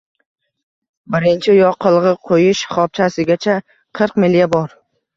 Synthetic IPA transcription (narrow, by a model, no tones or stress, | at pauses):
bɪɾɪnt͡ʃʰɪjɒqʰɨlˠʁɨqʰojɪʃχɒp̚t͡ʃʰasɪɡʲat͡ʃʰa | qʰɨɾqmɪljabɒɾ